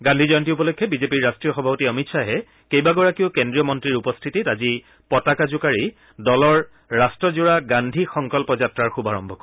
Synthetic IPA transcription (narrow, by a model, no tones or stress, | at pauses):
ɡãndʱizɔjɔntiup̬ɔlokʰːjɔbizepiɹːastɹijɔxɔbʱapɔtiɔmitsaɦɛ | kejbaɡɔɹakiʊkendɹijɔmɔntɹiɹupɔstʰititazi | pɔtakazʊkaɹi | dɔlɔɹː | astɹɔzuɹaɡandʱixɔŋkɔlpɔzatɹaɹxubaɹɔmbʱɔkɔ